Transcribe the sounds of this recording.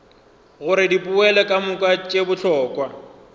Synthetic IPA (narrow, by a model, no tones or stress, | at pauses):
ɣʊɾɪdipʼʊɛlɛkʼamʊkʼat͡ʃʼebʊɬʰɔːkʼwa